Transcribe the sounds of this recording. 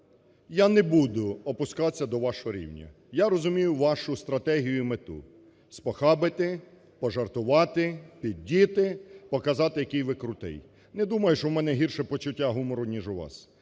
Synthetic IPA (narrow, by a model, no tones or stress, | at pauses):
janɛbud̪ʊɔpʊskɑsʲːɐd̪ɔʋɑʃɔɦɔɾʲḭwnʲɐ̰ | jarɔzʊmʲijʊʋɑʃʊst̪ɾɐt̪ɛɦʲijʊmet̪ṵ | spɔxɑbɪt̪ɪ | pɔʒɐrt̪ʊʋɑt̪ɪpʲid̪̚ʲdʲːit̪ɪpɔkɐzɑt̪ɪjɐkɪjʋɪkɾʊt̪ɪ̰j | nɛd̪umɐjʊʃɔmɛnɛɦirʃɛpɔt͡ʃʊtʲːaɦumɔɾʊnʲiʒʊʋɑ̰s